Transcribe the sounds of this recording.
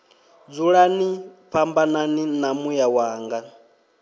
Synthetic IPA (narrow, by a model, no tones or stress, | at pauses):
d͡zuɺaniɸʰambananinamujawaːŋɡa